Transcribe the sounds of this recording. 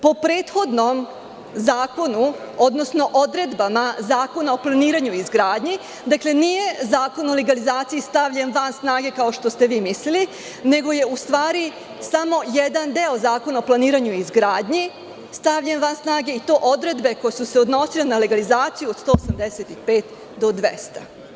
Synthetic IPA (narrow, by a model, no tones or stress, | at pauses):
po̞pɾe̞ːt̪xo̞d̪no̞m | zaːko̞nu | o̞d̪no̞sno̞ʔod̪ɾe̞d̪bamazaːko̞nao̞plˠaniːɾaɲuizɡɾaːd̪ɲi | d̪akle̞nije̞zaːko̞no̞leɡalizaːt̪sijist̪aʋʎe̞nʋansnaːɡe̞kao̞ʃt̪ost̪e̞ʋiːmislili | ne̞ɡo̞je̞ust̪ʋaːɾi | samo̞jed̪and̪eozaːko̞naoplˠaniːɾaɲuizɡɾaːd̪ɲi | st̪aʋʎe̞nʋansnaːɡe̞it̪o̞ːʔo̞d̪ɾed̪be̞ko̞jesuse̞o̞d̪no̞silenaleɡalizaːt̪sijuod̪st̪o̞ːosamd̪eset̪ixpe̞ːt̪ | d̪o̞d̪ʋḛst̪a